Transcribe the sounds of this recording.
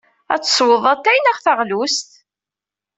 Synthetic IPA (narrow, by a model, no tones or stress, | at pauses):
æ̰t͡sːə̥sˤwəðˤæt̪ːæjnəʁθəʁlust̪